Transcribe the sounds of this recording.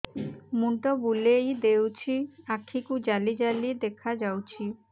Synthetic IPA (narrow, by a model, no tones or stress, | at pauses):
muɳʈɔbulejd̪ewt͡ɕʰiakʰːikud͡ʑalid͡ʑalid̪ekʰad͡ʑawt͡ɕʰi